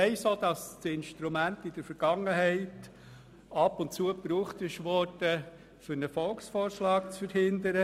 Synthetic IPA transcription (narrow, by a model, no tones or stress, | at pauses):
ɛɪsoːd̪ɑstɪnʃtɾumæntɪd̥əɾfəɾɡ̥ɑŋːəɦɛɪt | ɑpʊntt͡suəpɾuːχtɪʃʋɔɾd̥ə | fʏɾnəfɔlksfɔːɾʃlɑːk̚t͡sfəɾhɪnd̪əɾə